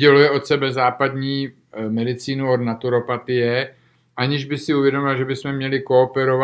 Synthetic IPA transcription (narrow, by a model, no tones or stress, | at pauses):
ɟɛlujɛo̞t̪sɛbɛzaːpad̪ɲiː | mɛdɪt͡siːnuod̪nat̪uɾo̞pat̪ɪjɛ | ʔaɲɪʒbɪxsɪuvjɛdomɪlʒɛbɪsmɛmɲɛlɪkoːpɛɾova